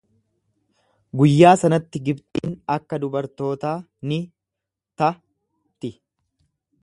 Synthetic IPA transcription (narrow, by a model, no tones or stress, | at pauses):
ɡʊjːaːsɐnɐt̪ːɪɡɪbt̪ʼiːnɐkːɐd̪ʊbɐɾt̪o̞ːt̪aː | nɪ | t̪ɐ | t̪ɪ